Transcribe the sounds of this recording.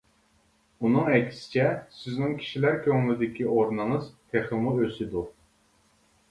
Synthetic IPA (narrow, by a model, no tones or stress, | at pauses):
unɨŋɛkʲʰsɪ̥t͡ʃʰɛsɪznɪŋkʲʰi̥ʃilæɾkʲʰøŋlyd̪ɪkʲʰioɾnɨŋɨzt̪ʰeχɨmuøsɪd̪u